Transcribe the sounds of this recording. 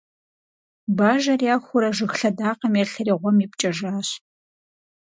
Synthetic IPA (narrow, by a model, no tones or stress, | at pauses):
baːʒɐrjaːxʷʊɾɐʒɨxɬɐdaːqɐmjɛɬɐɾiːʁʷɔmip̚t͡ʃʼɐʒaːɕ